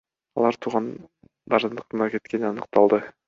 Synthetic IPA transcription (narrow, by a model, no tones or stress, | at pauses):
ɑ̰lˠɑɾt̪ʰuːʁɑn | d̪ɑɾd̪ɯnd̪ɯ̥qt̪ɯnɑke̞t̪ke̞ninɑnɯq̚t̪ɑlˠd̪ɯ